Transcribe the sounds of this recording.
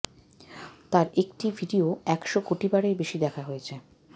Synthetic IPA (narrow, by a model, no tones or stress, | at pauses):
t̪aɾekʈibʱiɖioɛkʃokoʈibaɾebeʃid̪ɛkʰaɦojet͡ɕʰe